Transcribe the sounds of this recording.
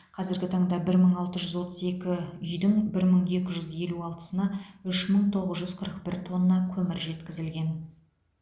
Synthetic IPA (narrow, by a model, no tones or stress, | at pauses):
qʰɑzɪɾɡʲɪt̪ʰɑɴd̪ɑbɪɾməɴɑlˠt̪əʒʏzwo̞t̪əze̞kʲɪʏjd̪ɪŋbɪɾməɴje̞kʲɪʒʏzje̞luɑlˠt̪ə̥sənɑʏʃməɴt̪ʰo̞ʁəzʒʏz̥qʰəɾəq̚bɪɾt̪ʰo̞nːɑkʲʰɵmɪɾʒe̞t̪kʲɪzɪlɡʲe̞n